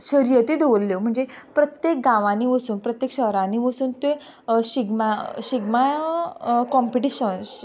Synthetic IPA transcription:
ɕəɾijət̪id̪olːjom̤əɳd͡zepɾət̪jek̚ɡãʋãniʋəsuːnpɾət̪jekɕəɦɾãniʋəsuːnt̪e | ɕiɡmaɕiɡma | kɔmpiʈiɕəns

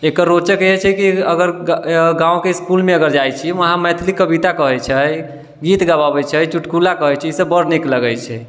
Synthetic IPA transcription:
ekəɾːot͡ʃəkəɦɛt͡ʃʰɛkiəɡəɾɡãũkeskulmeəɡəɾd͡ʒajt͡ʃʰiməɦãmɛt̪ʰlikːəbit̪akəɦɛt͡ʃʰəj | ɡit̪ɡaβabɛt͡ʃʰɛt͡ʃuʈkulakəɦɛt͡ʃʰɛisəbəɾnikləɡəjt͡ʃʰɛ

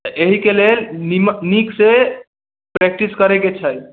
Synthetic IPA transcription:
t̪əʔeɦikelelnimnikse | pɾek̚ʈiskəɾeket͡ʃʰəj

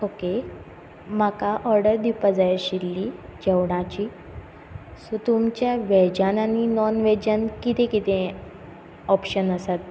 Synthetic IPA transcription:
oke | m̤akaʔɔɾɖəɾd̪ipad͡zajaɕilːid͡ʑewɽ̃at͡ɕiː | sot̪umt͡ɕjaʋɛd͡ʑananinɔnʋɛd͡ʑankit̪ẽkit̪ẽ | ɔpɕənəsat̪̚

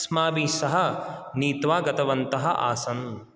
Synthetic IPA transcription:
smaːʋiːsɐɦɐniːt̪ʋaːɡɐt̪ɐʋɐnt̪ɐɦɐ̰ʔa̰ːsɐn

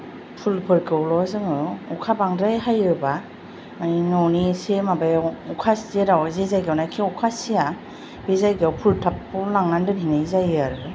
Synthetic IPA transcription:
pʰulpʰɯɾkʰɯwlɔzɯŋɯukʰabaŋdajɦajɾɯba | maninɔwnisemabajukʰaseɾawzezajɡawnajkʰiɔkʰasia | bezajɡawpʰultʰapːɯlaŋnandɯninazajɯaɾɯɯ

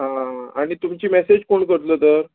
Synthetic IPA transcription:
ɦãaɽ̃it̪umt͡ɕiːmɛsed͡ʑkoɳkəɾt̪ləːt̪əɾ

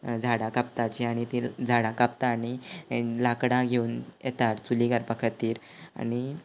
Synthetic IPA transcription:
d͡zʱaɽãkapt̪at͡ɕiaɽ̃it̪id͡zʱaɽãkap̚t̪aːnilakɽãɡʱeuːnjet̪aɾt͡suliɡaɾpəkʰət̪ːiːɾ | a̰ñi

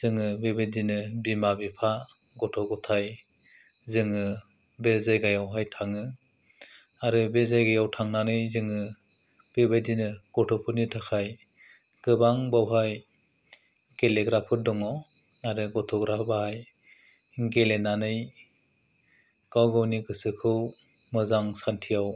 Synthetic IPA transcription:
zɯŋɯbebadinɯbimabipʰa | ɡɔtʰɔɡɔtʰaj | zɯŋɯ | bezajɡajawɦajtʰaŋɯ | aɾɯbezajɡajawtʰaŋnanɯjzɯŋɯ | b̥ebajdinɯɡ̥ɔtʰɔpʰɯnitʰakʰaj | ɡ̥ɯbaŋbawɦaj | ɡ̥eleɡɾapʰɯdɔŋɔ | aɾɯɡɔtʰɔɡɾabahaj | ɡelenanɯj | ɡ̥awɡawniɡɯsɯkʰɯw | mɯzaŋsantʰijaw

